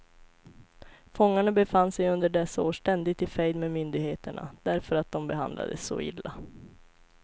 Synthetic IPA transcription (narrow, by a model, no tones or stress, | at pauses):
fɔŋːaɳabɛfanːsɛjɵnd̪əɖɛsːaoːʂʈɛnd̪ɪɡ̚t̪ɪfɛjd̪memʏnd̪ɪɡheːt̪ʰəɳa̰d̪̥æɾfœɾat̪̚d̪ɔmbɛɦa̰nd̪la̰d̪ə̰sːɔ̰ɪ̰lːa